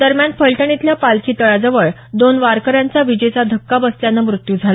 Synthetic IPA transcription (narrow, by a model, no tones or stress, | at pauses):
d̪əɾmjanpəɭʈəɳ̃it̪ljapalkʰiːt̪əɭad͡zəʋəɭ | d̪onʋaɾkəɾjant͡saʋid͡ʑet͡sad̪ʱəkːabəst̪janːamɾut̪jud͡zʱala